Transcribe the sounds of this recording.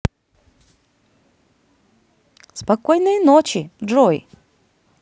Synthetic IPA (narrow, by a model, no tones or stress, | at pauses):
spɐkɔjnɨjnot͡ɕɪdɾoj